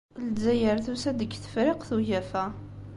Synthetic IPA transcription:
ld͡zːæjəɾθusæd̪əɡθə̥fɾɪqθuʝæfæ

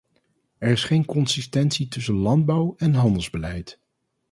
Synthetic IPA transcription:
ɛɹɪsχejnkɔnsɪstɛntsitɵsənlɑnd̚bɑwɛnɦɑndəlˠzbəlɛjt

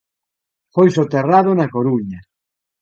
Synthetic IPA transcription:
fojsot̪eraðonakoɾuɲa

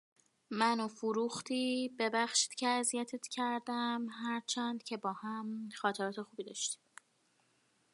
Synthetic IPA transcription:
mænofuɾuxt̪ʰiːbe̞bæxʃi̥ːd̪̥cʰeæzijæt̪ʰet̪ʰcʰæɾd̪æmɦæɾt͡ʃʰænd̪̥cʰe̞bɒːhæmxɒːt̪ʰe̞ɾɒːt̪e̞xuːbiːd̪ɒːʃt̪i̥

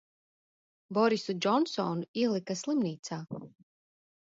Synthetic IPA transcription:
boɾisud͡ʒonsonilˠikaslimniːt̪sa

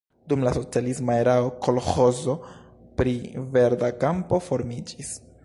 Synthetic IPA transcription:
dumlaso̞t͡sialismaeɾaokʰo̞lxozo̞ | pɾive̞ɾdakampo̞fo̞ɾmid͡ʒis

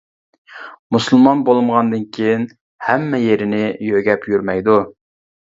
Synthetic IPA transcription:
musɨlˠmɑnbolˠɨmʁɑnd̪ɨnkʲʰejin | hæmːɛjeɾɪnɪjøɡʲɛpʰjyɾmɛjd̪u

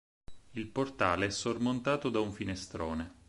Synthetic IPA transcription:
ilport̪aːleɛsormont̪aːt̪od̪auɱfinest̪ɾoːne

